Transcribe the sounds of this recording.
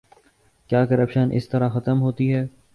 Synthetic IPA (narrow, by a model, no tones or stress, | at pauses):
kjaːkɐɾəpʃənʔɪ̰st̪ɐɾaxɐt̪əmɦoːt̪iɦɛː